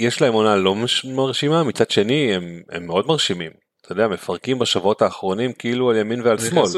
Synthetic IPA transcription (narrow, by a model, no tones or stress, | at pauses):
jeʃlae̞mo̞nalo̞mmaʁʃimamit͡sadʃe̞niemḛmːeo̞dmaʁʃimim | t̪ood̪eame̞faʁ̞kimbaʃavuo̞taːχʁo̞nimkiilualjaminvealsmo̞l